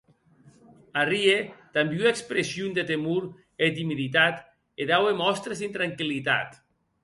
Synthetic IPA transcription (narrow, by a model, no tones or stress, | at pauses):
ariet̪ambjuekspɾesjund̪et̪emuɾ | et̪imiðit̪at̪ | eðawemɔst̪ɾesint̪ɾaŋkilit̪a̰t̪